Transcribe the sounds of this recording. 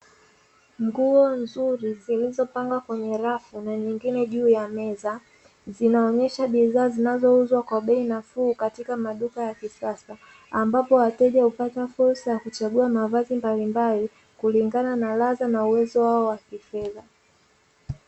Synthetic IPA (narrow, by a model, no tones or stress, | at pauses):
ŋɡuɔnzuɾizilizɔpaŋɡakwɛɲɛɾafunaɲiŋɡinɛʄuːjamɛza | zinaɔɲɛʃaɓiðaːzinazɔuzwakwaɓɛinafuːkatikamaɗukajakisasa | ambapɔwatɛʄaupatafuɾsajakut͡ʃaɠuamavazimbalimbali | kuliŋɡananalazanauwɛzɔwaɔwakifɛða